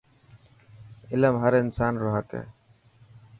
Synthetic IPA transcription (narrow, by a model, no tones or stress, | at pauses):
ɪləmɦəɾɪnsaːnɾoɦəkḛː